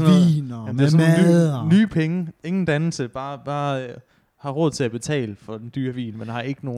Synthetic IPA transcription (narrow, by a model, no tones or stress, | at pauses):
sninæ̥esnnnyːpʰeŋəe̝ŋn̩d̥ænl̩səb̥ɑ̈ːb̥ɑ̈ː | hɑ̈ʁɔ̽ð̞̰ˠt͡sʰe̝læb̥e̝t͡sʰɛ̰ːləfɒ̽d̥end̥yːɐʋḭːlmenhɑ̈e̝ɡ̥əno̝ː